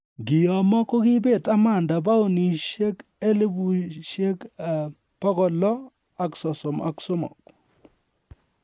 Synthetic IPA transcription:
ɡɪ˨jɔ˨mɔ˦ko˦kɪ˦be˦˨ta˦ma˨nda˨ba˦o˦ni˨ʃe˦ke˦li˦bu˨ʃe˦k | pɔ˦ɣɔ˨lɔ˦ | a˨ksɔ˨sɔ˨ma̰˨kso˦mɔ̰˨k

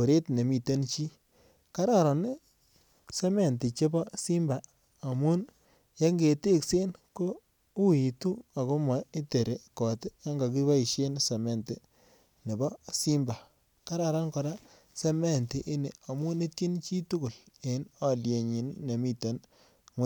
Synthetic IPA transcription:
ko˨ɾe˦tne˨mi˨te˦nt͡ʃiː˦ | ka˦ɾa˦˨ɾɔ˨n | se˦me˦˨nti˨t͡ʃe˦bɔ˦si˦mba˨ | a˨mu˦n | je˦ŋɡe˨te˦˨kse˦nko˦ | u˦i˨tu˦a˨ko˦mɔ˨e˦te˨ɾe˨kɔ˨ta˦ŋɡa˨k̬i˦βa˦i˨ʃe˦nse˨me˨nti˨ | ne˨bɔ˦si˦mba˨ | ka˦ɾa˨ɾa˦nkɔ˨ɾa˦ | se˦me˦˨nti˨ʔi˦ne˨a˨mu˦ne˦tji˦nt͡ʃi˦tu˦kʊ˨l | e˨˦nɔ˨lje˨ɲi˨˦nːe˨mi˦˨te˨n | ŋʷe˦

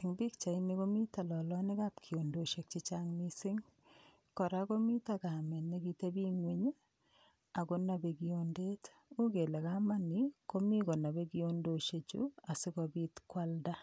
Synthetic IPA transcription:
ɪ˨ŋbi˦kt͡ʃa˨i˦ni˦ko˦mi˦ta˨lɔ˨lɔ˦nɪ˦ka˦pkʰi˨o˨ndo˨ʃe˨k̚t͡ʃɪ˦t͡ʃaŋni˦sɪ˦ŋ | kɔ˨ɾako˦mi˦ta˦ka˨mɛ˨ni˦ɡi˦te˦bi˦ŋwe˨ɲ˦ | a˨ko˦na˨be˨ɡi˨onde˦t | u˦ɡe˨le˨ka˦ma˦ni˨ko˦mi˦ko˨na˨be˦ɡi˦o˦ndoʃe˨t͡ʃṵa˨sɪ˦kɔ˨bi˦tkwa˦lda˦

